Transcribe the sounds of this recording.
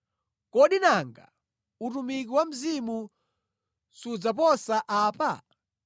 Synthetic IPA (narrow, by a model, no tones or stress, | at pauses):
kɔɗinaŋɡa̰ | utumikiwam̩zimu | sud͡zap̬ɔsaʔaːpa